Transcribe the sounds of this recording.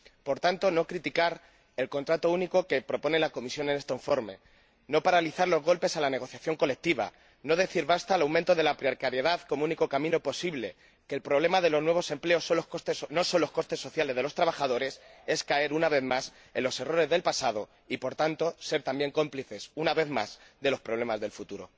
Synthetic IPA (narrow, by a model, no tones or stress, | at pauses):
po̞ɾt̪ant̪o̞no̞kɾit̪ikaɾ | e̞lko̞nt̪ɾat̪o̞uniko̞ke̞pɾo̞po̞nelako̞misjo̞ne̞ne̞st̪oiɱfo̞ɾme̞̰ | no̞paɾaliθaɾlo̞zɣo̞lpe̞salane̞ɣ̞o̞θjaθjo̞ŋko̞le̞k̚t̪iβa̰ | no̞ð̞e̞θiɾβast̪alawmẽnt̪o̞ðe̞lapɾjoɾkaɾjeðaðko̞muniko̞kamĩno̞po̞siβle̞ | keːlpɾo̞βle̞maðe̞lo̞znwe̞β̞o̞se̞mple̞o̞solohkost̪esno̞so̞nlo̞sko̞st̪e̞sːoθjale̞zð̞e̞lo̞st̪ɾaβ̞axað̞o̞ɾe̞se̞skae̞ɾunaβe̞ðmas | e̞nlo̞se̞ro̞ɾe̞zðe̞lpasað̞o̞ | ipo̞ɾt̪ant̪o̞se̞ɾt̪ambje̞ŋko̞mpliθe̞sunaβe̞ðma̰sðe̞lo̞spɾo̞β̞le̞mazðelfut̪uɾo̞̰